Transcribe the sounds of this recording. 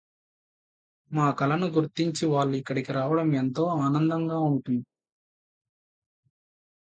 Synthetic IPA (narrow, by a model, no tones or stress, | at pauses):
maːkɐlɐnuɡuɾt̪iɲt͡ʃiʋaːɭːuikːɐɽikiɾaːʋɐɽɐment̪o̞ːaːnɐnd̪ɐŋɡaːuɳʈund̪i